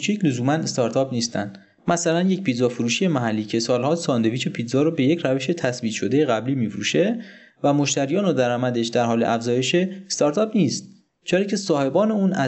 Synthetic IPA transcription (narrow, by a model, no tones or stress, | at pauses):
ut͡ʃʰiːcʰlozuːmænest̪ɒɾt̪ʰɒːpniːst̪æ̰nd̪̥ | mæsælænje̞cpʰiːd̪zɒːfuɾuːʃije̞mæɦælːiːcʰe̞sɒːlhɒːsɒːnd̪e̞viːt͡ʃʰopʰiːt̪zɒːɾobe̞jecʰɾæveʃe̞t̪ʰæsbiːt̪ʃo̞d̪e̞jeɣæbliːmiːfɾuːʃe̞ | væmo̞ʃt̪æɾijɒːnod̪æɾɒːmæd̪eʃd̪æɾɦɒːleʔæfzɒːje̞ʃest̪ɒːɾt̪ʰɒːpniːst̪ | t͡ʃʰeɾɒːcʰe̞sɒːhe̞bɒːne̞uːnʔæ